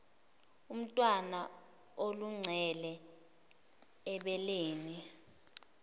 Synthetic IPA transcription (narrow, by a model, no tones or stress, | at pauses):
um̩tʼwana | oluŋ͡ǀʱɛlɛ | ɛɓɛleːni